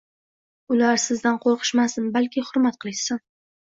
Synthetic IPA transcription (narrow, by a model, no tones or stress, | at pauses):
ʊlaɾsɪzd̪anqʰoɾqʰɨ̥ʃmasɪnbalkʲɪhʊɾmat̪qʰɨlˠɪʃsɪn